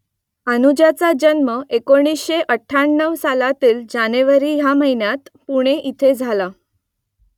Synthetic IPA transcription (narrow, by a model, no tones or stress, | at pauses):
ənud͡ʑjat͡sad͡ʑənməekoɽ̃isɕeʔəʈʰːaɳːəʋsalat̪iːld͡ʑaneʋəɾiːjaməɦinjat̪puɽ̃eʔit̪ʰed͡zʱala